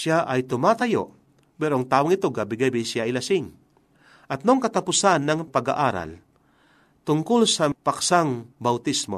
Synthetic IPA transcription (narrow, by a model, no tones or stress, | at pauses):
ʃjaʔɐjt̪ʊmaːt̪ɐjo̰ | pɛɾoaŋt̪aːwoŋɪt̪oɡabɪɡabisjaɐjlɐsɪŋ | ʔɐt̪̚noŋkɐt̪apʊsanːaŋpaɡa̰ʔaːɾa̰l | t̪ʊŋkolsɐpaksaŋbawt̪ismo̰